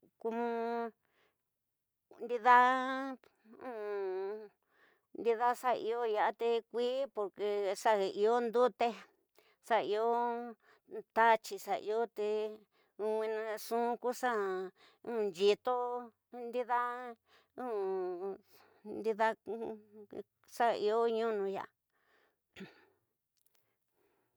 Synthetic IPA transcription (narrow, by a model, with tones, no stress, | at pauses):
ku˧mũ˧ | nd̪i˧ða˦ | ũː˦˨ | nd̪i˧ða˦sa˦˧ḭ˧o˦ja˧a˧t̪e˧kʷiː˦po˧ɾke˧ʂa˦ɣe˧i˧o˦nd̪u˦t̪e˦ | sa˧i˧o˦ | t̪a˦t͡ʃi˧sa˧ʔḭ˧o˦t̪e˧ | ũ˧wĩ˧nã˧ʂũ˦ku˦sa˦ | ũ˦˧nd͡ʒi˧t̪o˦ | nd̪i˦ða˦ | ũ˦˨ | nd̪i˧ða˦ | sa˦˧i˧o˦ɲũ˦nũ˧ja̰˨a˧